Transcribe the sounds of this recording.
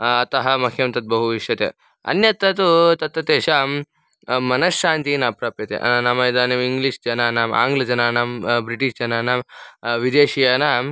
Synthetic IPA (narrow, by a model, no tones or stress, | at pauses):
ɐt̪ɐɦɐmɐkʰjɐnt̪ɐt̪̚bɐɦuʋiʂjɐt̪ḛː | ɐ̰njɐt̪ɐt̪ut̪ɐt̪ʋɐt̪eːʃa | mɐnɐsʃaːnt̪inɐːpɾaːpjɐt̪ḛʔɐ̰nanaːmɐid̪aːneʋiŋɡliʂd͡ʒɐnaːnaːma̰ːŋɡlɐd͡ʒɐnaːnaːmbɾiʈiʃd͡ʒɐnaːnaːmʋid̪eːʃijaːna